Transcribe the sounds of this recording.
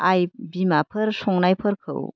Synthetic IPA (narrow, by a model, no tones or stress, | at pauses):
ajbimapʰɯɾsɔŋnajpʰəɾkʰɯ̰w